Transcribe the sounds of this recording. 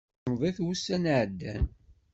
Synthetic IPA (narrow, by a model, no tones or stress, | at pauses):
mðˤæθwusːænʕəd̪ːæ̰n